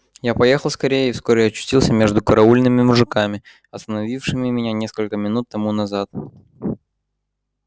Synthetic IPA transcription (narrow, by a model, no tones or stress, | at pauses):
japɐje̞xəlˠskɐɾʲejəɪfskoɾʲɪjaɐt͡ɕːʏ̥sʲtʲilˠsʲəmʲe̞ʐd̪ʊkəɾɐulʲnɨmʲɪmʊʐɨkamʲɪ | ɐst̪ənɐvʲifʂɨmʲɪmʲɪnʲanʲe̞skəlʲkəmʲɪnut̪ːɐmunɐzat̪